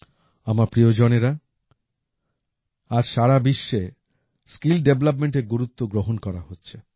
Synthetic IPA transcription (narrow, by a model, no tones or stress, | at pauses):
amaɾpɾiod͡ʑoneɾa | aɾʃaɾabiʃːe | skilɖeblap̬meɳʈeɾɡuɾut̪ːoɡɾoɦonkɔɾaɦotːɕʰe